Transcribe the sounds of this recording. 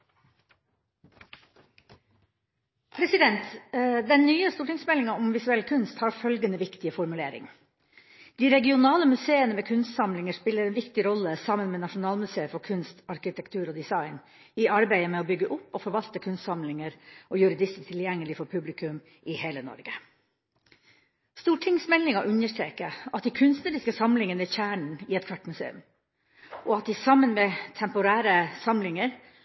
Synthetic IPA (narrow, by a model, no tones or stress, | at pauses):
pʰɾɛsɪd̪ɛnt̪d̪ɛnnyːəst̪uːʈɪŋsmɛlɪŋɑʊmʋɪsʉɛlːkʰʉnst̪hɑːɾfœlɡənəʋɪkt̪ɪəfɔɾmʉleːɾɪ̰ŋ | d̪̥iːɾɛɡɪʊnɑːləmʉseːənəmeːkʰʉnst̪sɑmlɪŋəʂpɪlːəɾɛːnʋɪkt̪ɪɾɔlːəsɑmənmeːnɑʂʊnɑːlmʉseːəfɔɾkʰʉnst̪ɑɾkɪt̪ʰɛkt̪ʰʉːɾoːd̪ɪsɑɪn | ɪʔɑɾbæɪəmɛɔbʏɡːəʔʊpːɔfɔɾʋɑlt̪əkʰʉnst̪sɑmlɪŋəɾʔojʉɾɪd̪ɪst̪t̪ʰɪljɛŋːəlɪfɔɾpʰʉblɪkʰʉm | ʔɪheːlənɔ̰ɾɡə | st̪uːʈʰɪŋsmɛlːɪŋɑʔʉnəʂt̪ɾeːkəɑt̪d̪ɪkʰʉnst̪nəɾɪskəsɑmlɪŋənəɪçæːɳɳ̩ɪɛt̪kʰʋɑʈːmʉsḛːʉ̰m | ʔɔɑt̪̚d̪ɪsɑmːənmɛt̪ʰɛmpʊɾæːɾəsɑmlɪŋəɾ